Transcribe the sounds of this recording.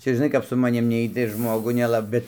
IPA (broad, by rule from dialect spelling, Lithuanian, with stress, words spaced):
ˈt͡ʃʲɛ ʒʲɪˈnɐɪ kɐp sʊ mɐˈnʲɪm ˈnʲɛɪt tɐɪ ɪr ˈʒmoːɡʊ nʲɛˈlˠɐ ˈbʲɛt